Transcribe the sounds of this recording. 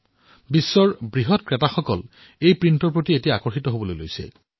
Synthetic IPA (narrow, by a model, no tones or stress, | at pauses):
bisːɔɹbɹiɦɔt̚kɹetaxɔkɔl | ejpɹintɔɹpɹotietijaakɔɹxitɔɦobɔlojlo̰jsɛ̰